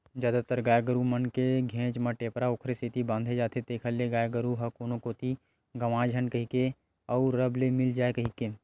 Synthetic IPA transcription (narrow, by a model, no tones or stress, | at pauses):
zjaːd̪at̪əɾɡaːjɡəɾumənkeɡʱẽːt͡ʃməʈeːpɾaokʰɾesit̪ibãːnd̪ʱed͡ʒaːt̪ʰet̪eːkʰəlːeɡaːjɡəɾuɦɐkoːnokoːt̪i | ɡəʋãːd͡ʒʱənkɐɦike | ɔːɾɾəblemɪld͡ʒaːekəɦike